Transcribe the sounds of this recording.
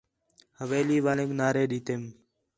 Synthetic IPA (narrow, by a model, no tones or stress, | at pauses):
həʋeːliːʋaːnẽknaːɾeːɗiːt̪eːm